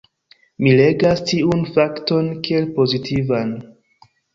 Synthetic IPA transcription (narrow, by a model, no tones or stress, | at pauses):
mile̞ɡastiunfakto̞nkie̞lpo̞zitʰivan